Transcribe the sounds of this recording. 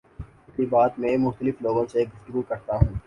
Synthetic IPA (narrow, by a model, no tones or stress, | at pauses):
ɪsibaːt̪mẽːmʊxt̪əlɪfloːɡõseɡʊft̪əɡukɐɾt̪aɦũː